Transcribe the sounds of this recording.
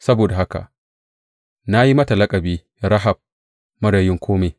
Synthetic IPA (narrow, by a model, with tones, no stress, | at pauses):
sɐ˦boː˨da˨ɦa˦ka̰˨ʔ | na˦ji˦mɐ˦ta˨lɐ˦kʼɐ˨biː˦ | ɾɐ˦ɦa˨b̚ | mɐ˦ɽa˨jɪ˦ŋkʷʰoː˦me˨